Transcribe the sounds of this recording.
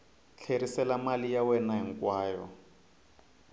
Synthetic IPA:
t͡ɬʰeɾisɛlamalijawɛnaɦiŋkwaːjɔ̰

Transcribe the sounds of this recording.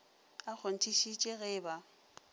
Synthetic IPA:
ak͡xʰon̩tʰiʃit͡ʃʼɪɣɪːba

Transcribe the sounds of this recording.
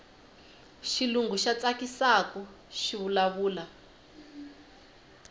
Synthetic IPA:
ʃiluŋɡuʃat͡sakisakɔ | ʃiβulaβuːla

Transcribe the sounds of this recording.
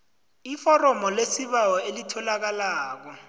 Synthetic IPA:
ifɔrɔmɔlesiɓawɔelitʰɔlak̬alaːk̬ɔ

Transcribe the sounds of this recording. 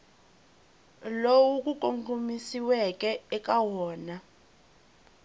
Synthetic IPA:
lowuk̬ʼuk̬ʼoŋkʼumisiwɛk̬ʼɛɛk̬ʼawɔːna

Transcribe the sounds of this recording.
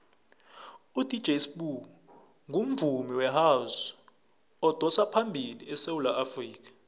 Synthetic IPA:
ud̥ʱid̥d͡ʒʱesɓu | ŋʱum̩vʱumiwɛɦas | ɔd̥ʱɔsapʰambʱiliɛsewulaʔafriːk̬ʰʼḁ

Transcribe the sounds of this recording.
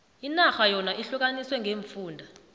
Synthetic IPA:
inaxajɔnaʔiɬuk̬aniswɛŋʱeːɱfuːndʱa

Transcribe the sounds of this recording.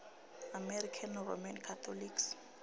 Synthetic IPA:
amɛrikʰanro̰mankʰat̪ʰɔliks

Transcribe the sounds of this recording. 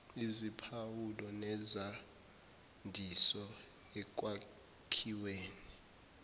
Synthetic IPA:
izipʰawulɔnɛza | ndʱisɔ | ɛk̬ʼwa | kʰiweːni

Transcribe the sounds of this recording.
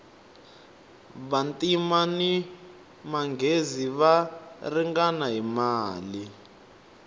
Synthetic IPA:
βantʼimani | maŋɡʱeziβariŋɡanaɦimaːli

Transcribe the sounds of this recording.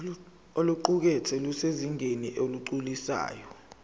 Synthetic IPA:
oluǃuk̬ɛt͡sʰɛluseziŋʱeniʔoluǃulisa̰ːjɔ

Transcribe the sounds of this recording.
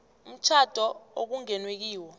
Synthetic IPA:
m̩t͡ʃʰad̥ʱɔok̬uŋɛnwek̬iːwɔ

